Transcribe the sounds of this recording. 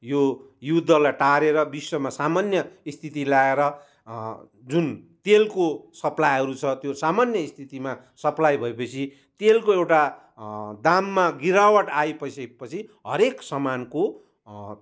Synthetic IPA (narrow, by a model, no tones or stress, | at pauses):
jojud̪ʱːʌlajʈaɾeɾʌbiswʌmasamanjʌist̪ʰit̪ilaeɾʌ | d͡zunt̪elkosʌplajɦʌɾut͡sʰʌt̪josamanjʌist̪ʰit̪ima | sʌplajbʱʌepʌt͡sʰi | t̪elkoewʈa | d̪amːaɡiɾawʌʈajpʌjsepʌt͡sʰiɦʌɾeksʌmanko